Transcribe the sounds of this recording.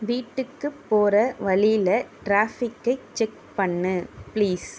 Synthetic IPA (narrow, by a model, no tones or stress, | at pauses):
ʋiːʈːɯkːɯpːoːɾɐʋɐɭɪlɐʈɾaːfɪkːɐɪt͡ʃɛk̚ | pɐɳːɯpliːs